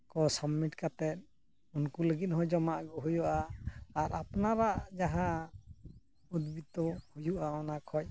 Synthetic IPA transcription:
kɔsɔbmiʈkat̪ɛt̪̚ | unkuləɡit̪̚ɦɔjd͡ʒɔmaʔɡɔɦujuʔaːɾapnaɾaʔd͡ʒaɦã | ud̪bit̪ɔhujuʔaɔnakʰɔj

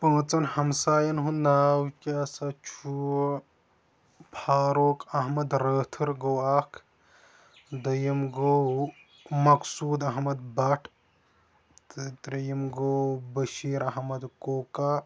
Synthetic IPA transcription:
pɐ̃ːt͡sɐnhɐmsaːjɐnɦũnaːwkʲaːsɐt͡ʃʰu | pʰaːɾoːkɐɦmɐd̪ɾəːt̪ʰɨɾɡowaːkʰ | d̪ɐjɐmɡow | mɐksuːd̪ɐɦmɐd̪̚bɐʈʰ | t̪ɾɐjɐmɡowbɐʃiːɾɐɦmɐd̪koːkaː

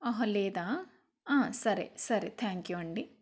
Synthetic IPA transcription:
ɐɦɐleːd̪aː | aːsɐɾḛsɐɾet̪ʰaːŋkjuɐɳɖi

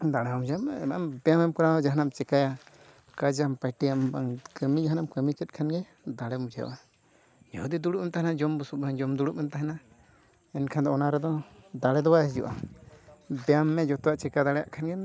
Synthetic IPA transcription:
d̪aɽɛamud͡ʒamambɛjamɛmkɔɾad͡ʒaɦnamt͡ʃɛkaja | kad͡ʒampajʈijambaŋkəmid͡ʒaɦanamkəmit͡ʃɛt̪̚kʰanɡɛ | d̪aɽɛmud͡ʒa̰ʔa | d͡ʒɔhud̪id̪uɽuʔ̚mɛmt̪aɦɛnad͡ʒɔmbusupand͡ʒɔmd̪uɽuʔ̚ɛmt̪aɦɛna | ɛnkʰand̪ɔɔnaɾɛd̪ɔd̪aɽɛd̪ɔwajaɦid͡ʒɔ̰ʔa̰ | bɛjamːɛd͡ʒɔt̪ɔwaʔt͡ʃɛkad̪aɽɛja̰ʔkʰanɡɛ

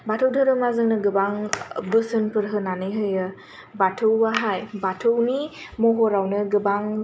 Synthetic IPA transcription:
batʰɯwdʱɯɾɯmazɯŋnɯɡɯbaŋbɯsɯnpɯɾɦɯnanɯɦɯjɯ | batʰɯwːaɦajbatʰɯwnimɔɦɔɾawnɯɡɯbaŋ

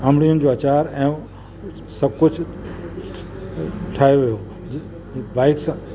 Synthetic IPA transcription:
amlijʊnɪ̆d͡ʑoɐt͡ɕaːɾɛ̃ː | sɐb̚kʊt͡ɕʰ | ʈʰaːjoʋijo | baːɪks

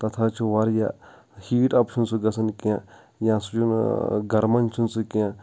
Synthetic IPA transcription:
t̪ɐt̪ʰaːt͡ʃʰuʋɐɾja̰ | hiːʈɐpt͡ʃʰunsuɡɐsɐnkã | jãːsut͡ʃʰunɡɐɾmɐnt͡ʃʰunsukijã

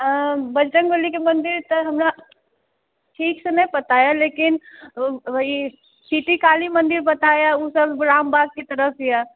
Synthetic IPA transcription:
bɐd͡ʒʈənbolikemɐ̃nd̪ɪɾt̪əɦɐmne | ʈʰiːksenɐɦĩpɐt̪aːjaleːkɪn | i | siːʈikaːlimɐ̃nd̪ɪɾbɐt̪ajaosəbɾaːmbaːɡ̚kit̪ɐɾəpʰjaː

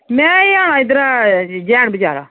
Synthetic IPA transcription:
mɛ̃ːiaːɽaːɪd̪əɾaːd͡ʒɛːɳbəd͡ʒa̰ːɾa̰ː

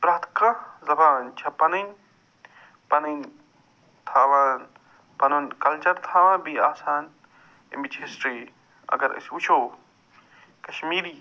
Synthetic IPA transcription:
pɾɐt̪ʰkazɐbaːnt͡ʃʰɐpɐnɐn | pɐnɐn | t̪ʰaːʋaːn | pɐnɐnkɐlt͡ʃɐɾt̪ʰaːʋãːbiaːsaːn | ḭmbit͡ʃɦisʈɾiː | ɐ̰ɡɐɾʔɐ̰sut͡ʃʰow | kɐʃmiːɾiː

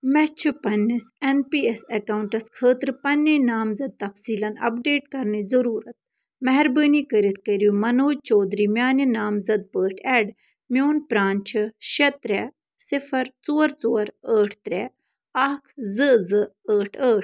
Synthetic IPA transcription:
mɛt͡ʃʰupɐnːisenpiːesɐkɐuɳʈɐskʰəːt̪ɾɨpɐnːinaːmzɐd̪̚t̪ɐfsiːlɐnɐ̰pɖeːʈkɐɾnizɐɾuːɾɐt̪̚ | mɛɦɛɾbəːnikəɾit̪kəɾumɐnoːd͡ʒt͡ʃoːd̪ɾiːmjaːninaːmzɐd̪̚pəːʈʰɛːɖ | mʲjoːnpɾaːnt͡ʃʰɨʃɐt̪ɾɛ | sɪfʰɐɾt͡soːɐɾt͡soːɐɾəːʈʰt̪ɾɛː | aːkʰzɨzɨ | əːʈʰəːʈʰ

